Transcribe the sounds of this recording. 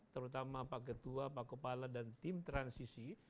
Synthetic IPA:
t̪əɾut̪amaːpak̬ət̪uapakəpaladant̪imt̪ɾansisi

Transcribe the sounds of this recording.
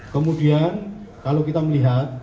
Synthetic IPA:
kəmudiankalokit̪aməliɦat̪̚

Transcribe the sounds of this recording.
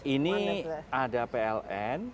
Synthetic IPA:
iniadapeɛlʔɛn

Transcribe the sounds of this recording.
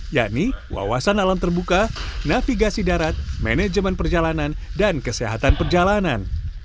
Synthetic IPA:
ja̰ʔniwa̰wasanalamt̪ərbukanafiɡasidaɾat̪̚mɛnɛd͡ʒəmɛnpərd͡ʒalanandankəseɦat̪anpərd͡ʒalanan

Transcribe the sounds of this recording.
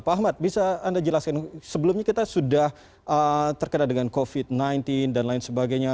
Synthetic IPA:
paaɦmat̪̚bisaːndad͡ʒəlaskansəbəlumɲakit̪asudah | ʔət̪ərkənadəŋankofɪt̪̚najnt̪ɪndanlaɪnsəbaɡajɲa

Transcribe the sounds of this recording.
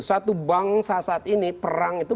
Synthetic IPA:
sat̪ubaŋsasaːt̪inipəɾaŋit̪u

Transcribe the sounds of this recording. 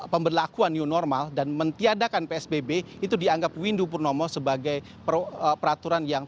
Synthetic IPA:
pəmbərlakuanjunɔrmaldanmənt̪iadakanpeɛsbebe | it̪udiaŋɡap̚windupurnɔmɔsəbaɡaj | pərəpəɾat̪uɾanjaŋ

